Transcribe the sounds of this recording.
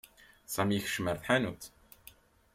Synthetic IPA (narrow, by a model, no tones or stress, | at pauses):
sˤæmjiç̥ʃməɾθħanut̪